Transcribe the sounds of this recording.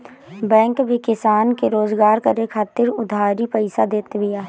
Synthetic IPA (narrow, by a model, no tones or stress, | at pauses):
bɛ̃ːŋkbʱikɪsaːnkeɾoːzɡaːɾkɐɾekʰaːt̪ɪɾʊd̪ʱaːɾipəɪsad̪eːt̪bɪjaː